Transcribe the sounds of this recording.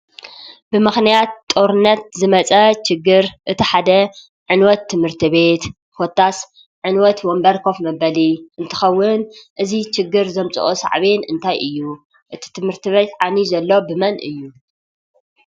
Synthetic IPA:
bɨmɨxnijat̪ːʼo̞ɾɨnːɐt̪̚zɨmɐt͡sʼɐt͡ʃɪɡːɨɾʔɨt̪ʰiħad̪ɐ | ʕɨnwɔt̪ʰːɨmhɨɾt̪ʰiβe̞t̪ | fot̪ʰːas | ʕɨnwɔt̪wombɐɾkʰo̞fmɐbɐliʔɨnt̪ʰɐ̥xɐwːʊnʔɨzit͡ʃɪɡːɨɾzɐmt͡sʼɨ̰ʔosa̰ʕβenʔɨnt̪ʰajʔɨjːu | ʔɨt̪ʰi̥t̪ʰɨmhɨɾt̪ʰiβe̞t̪ʕanizɐlːo̞bɨmɐnʔɨjːu

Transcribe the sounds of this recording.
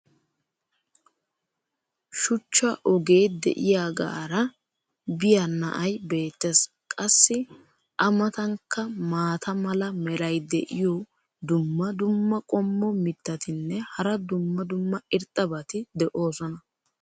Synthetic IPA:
ʃʊt͡ʃːɐʔɔɡe̞ːd̪ɛ̰ʔɪjaːɡa̰ːɾɐ | bɪjanɐ̰ʔɐjbe̞ːt̪ːeːs | kʼɐsːɪ | ʔɐmɐt̪ɐŋkːɐmaːt̪ʰɐmɐlɐmɛɾɐjd̪ɛ̰ʔɪjɔ | d̪ʊmːɐd̪ʊmːɐkʼɔmːɔmɪt̪ːɐt̪ɪnːɛhɐɾɐd̪ʊmːɐd̪ʊmːɐɪɾt̪ʼːɐbɐt̪ɪd̪ɛʔo̞ːsɔnɐ

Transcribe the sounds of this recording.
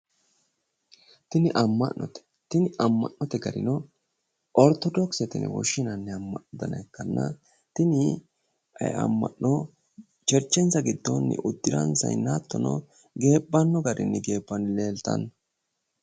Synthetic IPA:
t̪ɪnɪʔɐmːɐnːɔt̪ɛ̥ | t̪ɪnɪʔɐmːɐ̰nːɔt̪ɛɡɐɾɪ̰nɔ | ʔɔɾt̪ɔd̪ɔksɛt̪ɪnɛ̰wɔ̰ʃːɪnɐnːɛɐmːɐnd̪ɐnɐkːɐnːɐ̰ | t̪ɪnɪ | ɐ̰ɐ̰mːɐ̰nːɔ | t͡ʃɛɾt͡ʃːɛnt͡sːɐɡɪd̪ːɔnːɪ̰ʔʊd̪ːɪɾɐ̰nsɐ̰jnaːt̪ːɔnɔ̰ | ɡe̞ːbːɐnːɔɡɐɾɪnːɪɡe̞ːbːɐnːle̞ːlt̪ɐ̰nː

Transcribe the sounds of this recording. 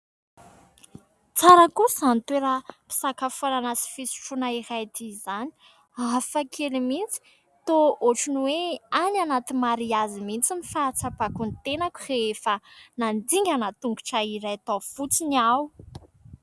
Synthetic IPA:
t͡saɾakusant̪weɾəpi̥sakafoɾanasi̥fisu̥ʈ͡ʂunaiɾajt̪izani̥ | afakʰelimint͡si̥ | t̪ooʈ͡ʂunweananat̪imaɾiazimint͡simifat͡sapakunt̪enaku̥reefənand̪iŋɡʲanat̪uŋɡuʈ͡ʂaiɾajat̪ofut͡siniaw

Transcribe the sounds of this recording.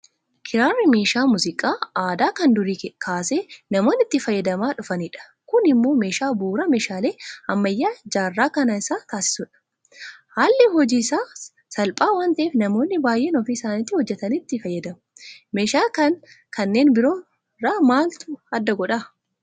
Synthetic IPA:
kʰɪɾaːrːɪme̞ːʃaːmuzɪkʼaːaːd̪aːkɐnd̪ʊɾikkʰaːseːnɐmo̞ːnːɪt̪ːɪfɐjːɐd̪ɐmaːᶑʊfɐniːᶑɐ̥ | kʊnɪmːo̞ːme̞ːʃaːbuːɾɐme̞ːʃaːle̞ːɐmːɐjːaːd͡ʒaːrːaːkɐnɐɪsaːt̪aːsɪ̥sʊᶑɐ̥ | haːlːɪɦɔd͡ʒiːsaː | sɐlpʼaːwaːnt̪ɐʔeːfnɐmo̞ːnːɪbaːjʔeːnɔfiːsaːnɪt̪ːɪhɔd͡ʒːɛt̪ɐnit̪ːɪfɐjːɐd̪ɐmʊme̞ːʃaːkɐn | kɐnːe̞ːnbɪɾo̞ː | raːmaːlt̪ʊɐd̪ːɐɡɔᶑa

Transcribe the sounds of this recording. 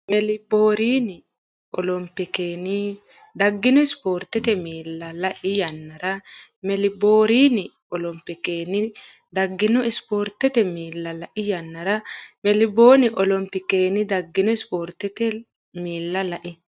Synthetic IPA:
mɛlɪboːɾiːnɪ | ʔɔlɔmpːɪkeːnɪ | d̪ɐɡːɪnɔɪspoːɾt̪ːɛt̪ɛmiːlːɐlɐʔɪjɐnːɐɾɐmɛlɪboːɾiːnɪ | ɔlɔmpːɪkeːnɪ | d̪ɐɡːɪnɔɪspo̞ːɾt̪ːɛt̪ɛmiːlːɐlɐʔɪjɐnːɐɾɐmɛlɪbo̞ːnɪʔɔlɔmpːɪkeːnɪd̪ɐɡːɪnɔɪspo̞ːɾt̪ːɛt̪ɛ | miːlːɐlɐʔɪ

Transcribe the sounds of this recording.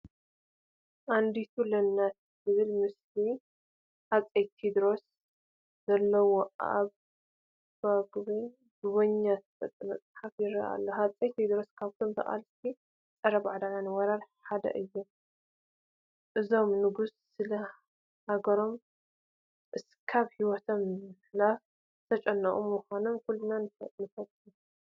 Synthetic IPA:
ʔand̪it̪ʰulɐnːat̪ | zɨβɨlmɨsli | hat͡sʼejt̪ʰid̪ɾo̞s | z̥ɐlːɐwoa̰β | baɡɨβe | ɡuβoɲːat̪fɐt̪ʼːɨmɐ̰t͡sʼħafjɪɾɐ̰ʔa̰lːohat͡sʼejt̪ʰːid̪ɾo̞skʰaβt̪ʰomt̪ʰɐ̰χʼa̰lst̪ʰi | t͡sʼɐɾɐβʕad̪ananɨwɐɾaɾħad̪ɐ̰ʔɨjːu | ʔɨzo̞mnɨɡusːɨlɐ | haɡɐɾo̞m | ʔɨs | kʰaβhiwɔt̪ʰomħlaf | t̪ʰɐt͡ʃʼɐnːɐχʼumːuxanomkulːunanɨfɐ̰nɨfɐt̪ʼu

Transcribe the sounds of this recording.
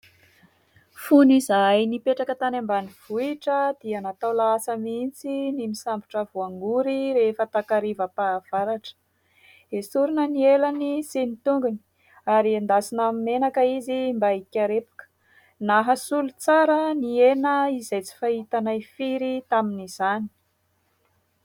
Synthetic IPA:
funizajnipeʈ͡ʂakət̪anambaniv̥uiʈ͡ʂəd̪̥ianat̪awlaasəmint͡sinimisambiʈ͡ʂəvuaŋɡuɾiɾefət̪akaɾivəpav̥aɾaʈ͡ʂə̥ | esuɾunənielanisenit̪uŋɡuni̥ | aɾiand̪asinamimenakəizimbaikʲaɾepu̥kə̥ | naɦəsulut͡saɾənienəizajt͡si̥faɦit̪anajfiɾit̪aminiz̥ani̥

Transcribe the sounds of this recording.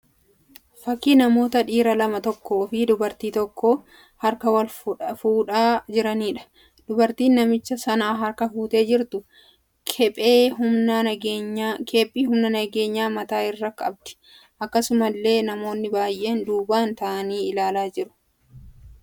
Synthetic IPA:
fɐkiːnɐmo̞ːt̪ɐᶑiːɾɐlɐmɐt̪ɔkːo̞ːfɪd̪ʊbɐɾt̪iːt̪ɔkːo̞ː | hɐɾkɐwɐlfuːᶑaːd͡ʒɪɾɐniːᶑɐ̥ | d̪̥ʊbɐɾt̪iːnːɐmɪt͡ʃːɐsɐnaːɦɐɾkɐfuːt̪e̞ːd͡ʒɪɾt̪ʊ | ɛpʼeːʊ | kʰeːpʼːiːɦʊmnɐnɐɡe̞ːɲːaːmɐt̪aːɪrːɐkʼɐb̚d̪ɪ̥ | ʔɐkːɐsʊmɐlːe̞ːnɐmo̞ːnːɪbaːjʔe̞ːnd̪uːbaːnt̪ɐʔɐniːɪlaːlaːd͡ʒɪɾʊ̥

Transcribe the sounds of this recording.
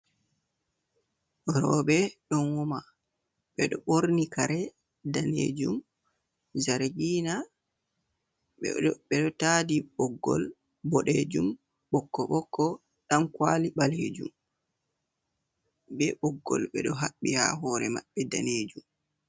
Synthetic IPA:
ɗɔɾɔbɛɗɔnwɔma | ɓɛɗɔɓoɾnikaɾɛ | danḛːd͡ʒum | zaɾɡiːna | ɛɓɛɗɔtadiɓɔɡːɔ̰l | bɔɗed͡ʒum | ɓɔkːɔɓɔkːɔ | ɗamkwaːliɓaled͡ʒṵm | bɛɓɔɡːɔ̰lɓɛ̰ɗɔɦaɓːiha̰ɦɔɾɛma̰ɓːɛda̰ned͡ʒum

